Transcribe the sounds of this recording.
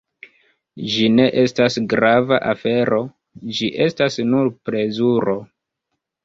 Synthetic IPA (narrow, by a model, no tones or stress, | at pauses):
d͡ʒine̞ʔe̞stasɡɾavaʔafe̞ɾo̞ | d͡ʒiʔe̞stasnuɾpɾe̞zuɾo̞